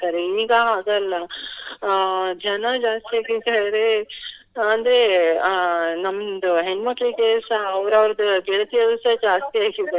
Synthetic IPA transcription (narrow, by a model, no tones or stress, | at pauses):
t̪aːɾeiːɡɐaːɡɐlːɐ | d͡ʒɐnɐd͡ʒaːst̪iaːɡid̪aːɾe | ɐnd̪ɾe | nɐmɐd̪uɦenmɐkːɭikeːsɐːʋɾɐʋɐɾɐd̪uɡeɭɐt̪ijɐd̪usɐd͡ʒaːst̪iaːɡiɾd̪aːɾe